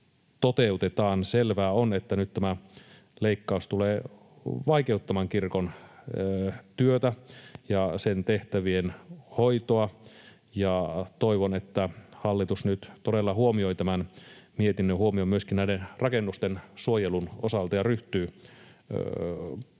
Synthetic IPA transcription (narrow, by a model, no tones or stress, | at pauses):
t̪ot̪eut̪et̪ɑːnselʋæːonet̪ːænyt̪t̪æmæ | leikːɑust̪uleː | ʋɑikeut̪ːɑmɑŋkirkon | t̪yøt̪æjɑsent̪eht̪æʋienhoit̪oɑ | jɑt̪oiʋonet̪ːæhɑlːit̪usnyt̪t̪odelːɑhuomio̞it̪æmænmiet̪inːøhuomiomyøskinnæidenrɑkenːust̪ensuojelunosɑlt̪ɑjɑryht̪yː